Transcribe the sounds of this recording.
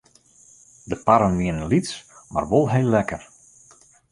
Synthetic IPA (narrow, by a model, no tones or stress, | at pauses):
dəpaɾənʋiənənlitsma̰rʋolˠɦejlːɛkər